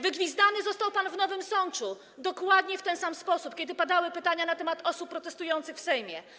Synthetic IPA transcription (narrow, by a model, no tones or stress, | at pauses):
vɘɡvʲizd̪anɘzɔst̪awpanvnɔvɘmsɔnt͡ʂu | d̪ɔkwad̪ɲɛft̪ɛnsamspɔsupkʲɛd̪ɘpad̪awɘpɘt̪aɲanat̪ɛmat̪ɔsupːɾɔt̪ɛst̪ujɔnt̪sɘxfsɛjmʲjɛ